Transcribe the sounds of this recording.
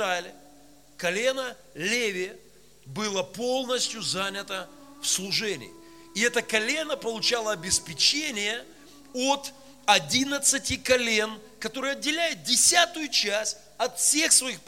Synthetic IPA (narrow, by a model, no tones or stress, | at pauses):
alʲɪ | kɐlʲenə | lʲevʲɪ | bɨlˠəpo̞lˠnəsʲtʲjʊzanʲɪt̪əfslˠʊʐɛnʲɪ̰ɪ̰ | ɪɛt̪əkɐlʲe̞nəpəlˠʊt͡ɕalˠəɐbʲɪspʲɪt͡ɕenʲɪjə | ot̪ | ɐdʲinət̪sɨtʲɪkɐlʲe̞nkɐt̪o̞ɾɨjɐdʲɪlʲæjʊt̪̚dʲɪsʲat̪ʊjʊt͡ɕæsʲ | ɐt̪fsʲexsvɐixp